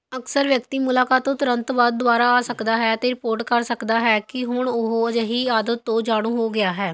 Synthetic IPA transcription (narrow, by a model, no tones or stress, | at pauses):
əksəɾʋjəkt̪iːmʊlaːkaːt̪ːõːt̪ʊɾənt̪baːd̪̚ːʊaːɾaːaːsəkd̪aːɦɛːt̪eːɾɪpoːɾʈkəɾsəkd̪aːɦɛːkɪɦʊɳʊɦoːəd͡ʒəɦiːaːd̪ət̪ːõːd͡ʒaːɽ̃ũːɦoːɡɪaːɦɛː